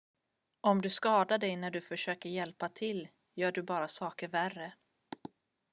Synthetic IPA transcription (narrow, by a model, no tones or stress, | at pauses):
ʔɔmd̪ɵskɑːd̪aɖɛjnæɖɵfœʂøːkəɾjɛlpat̪ʰɪlː | jœːɖɵbɑːɾasɑːkəɾværə